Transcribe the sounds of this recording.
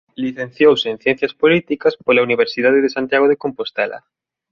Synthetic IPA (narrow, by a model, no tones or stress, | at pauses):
liθẽn̟θjowsen̟θjɛn̟θjaspolit̪ikɐspolauniβ̞eɾsiðaðeðesant̪jaɣ̞oðekompost̪ɛla̰